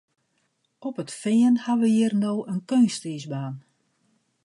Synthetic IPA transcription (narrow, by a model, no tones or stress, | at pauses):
ɔpətfɪːənhaʋəjiərnoːʔənkøːnstisbaːn